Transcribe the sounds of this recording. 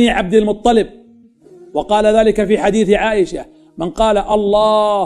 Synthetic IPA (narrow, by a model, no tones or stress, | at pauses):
iʕab̚d̪almʊt̪ˤːɑlɪb̚ | wɑqɑːlaðaːlɪkafiːħad̪iːθʕaːʔɪʃa | mɪnqɑːlaʔɑlˤːɑː